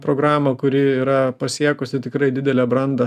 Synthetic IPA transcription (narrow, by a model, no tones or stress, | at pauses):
pɾoːɡɾɑːmɐkʊɾʲɪiːɾɐpɐsʲiɛkʊsʲɪt̪ʲɪkɾɐɪd̪ʲɪd̪ʲɛlʲɛːbɾɐnd̪ɐ